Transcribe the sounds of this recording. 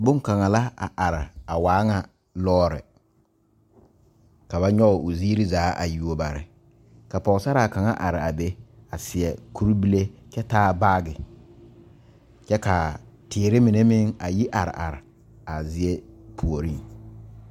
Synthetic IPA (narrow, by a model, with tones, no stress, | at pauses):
bʊ˦ŋ˦ka˨ŋa˨la˦a̰˨ʔa˨ɾɪ˨a˨waː˨˦ŋa˨ | lɔː˦ɾɪ̰˨ | ka˨ba˦ɲɔ˦˨ʊ˨zi˦ɾi˦zaː˨˦ʔa̰˨ju˨o˦ba˨ɾɪ̰˨ | ka˨pɔ˨ɣsa˦ɾa˨ka˨ŋa˦ʔa˨ɾɪ˨a˨be˦a˨sɪ˨ɛ˨kʰu˦ɾi˦bi˦le˦t͡ʃɛ˦taː˦ba˦ɡɪ˨ | t͡ʃɛ˦ka˨tɪː˨˦ɾɪ˦mi˨ne˦mɪ˦ŋa˨ji˦ʔa˨ɾɪ̰˨ʔa̰˨ɾɪ˨ | a˨zɪ˦e˦pʰu˨o˨ɾi˦ŋ